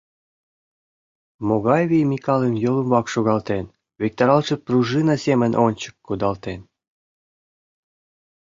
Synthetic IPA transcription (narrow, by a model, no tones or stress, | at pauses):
moɣɑjvʲijmikɑlemjolumβɑkʃoɣɑlt̪en | vek̚t̪ɑɾɑlʃĕpruʒɨnɑsemənʔonʲt͡ɕə̥kːud̪ɑlt̪en